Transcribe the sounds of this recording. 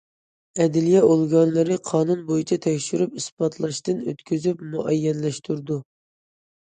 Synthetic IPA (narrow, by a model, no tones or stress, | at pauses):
ɛd̪ɪlijɛolˠɡɑnlˠɨɾɨqʰɑːnunbojit͡ʃʰɛt̪ʰɛkʲʃyɾypisbɑt̪ʰlˠɑʃt̪ɨnø̰t̪kʲʰyzypmuʔɛjːɛnlɛʃt̪ʰuɾd̪u